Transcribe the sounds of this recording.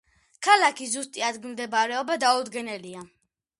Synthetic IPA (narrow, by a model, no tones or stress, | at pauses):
kʰalakʰizust̪ʼiad̪ɡmd̪ɛbaɾɛɔbad̪aud̪ɡɛnɛlia